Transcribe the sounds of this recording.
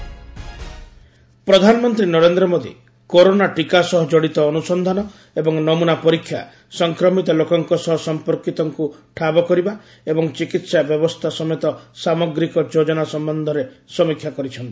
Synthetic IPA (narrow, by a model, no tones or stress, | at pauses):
pɾɔd̪ʱanɔmɔnt̪ɾinɔɾend̪ɾɔmod̪ḭ | koɾonaʈikasɔɦɔd͡ʒɔɽit̪ɔːnusɔnd̪ʱanɔ | ebɔŋnɔmunapɔɾikʰːja̰ | sɔŋkɾɔmit̪ɔlokɔŋkɔsɔɦɔsɔmpɔɾkit̪ɔŋkuʈʰabɔkɔɾiba | ebɔŋt͡ʃikit̪sabjɔbɔst̪ʰasɔmet̪ɔsamɔɡɾikɔd͡ʒod͡ʒɔnasɔmbɔnd̪ʱɔɾesɔmikʰjakɔɾit͡ʃʰɔnt̪i̥